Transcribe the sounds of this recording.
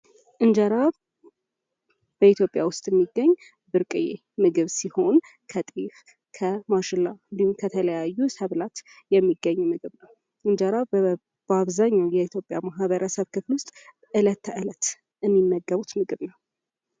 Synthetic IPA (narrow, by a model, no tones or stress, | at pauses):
ʔɨnd͡ʒaɾaβ | b̥əit̪ʰjopʼjawʊst̪ʼjɛmːiɡːəɲː | bɨɾkʼɨjḛ | mɨɡɨβsiho̞n | kʰət̪ʼif | kʰəmaʃɨlːaɨnd̪ihumkʰət̪ʰələjajːusəβlat̪ | jɛmːiɡːəɲːmɨɡɨβnəw | ʔɨnd͡ʒəɾa | b̥aβzaɲːawjɛit̪ʰjo̞pʼjamaɦβəɾəsəβkʰɨflwʊst̪ʼ | ʔɨlət̪ʰːʔɨlət̪ | ɨmːinːəɡːəβut̪mɨɡɨβnəw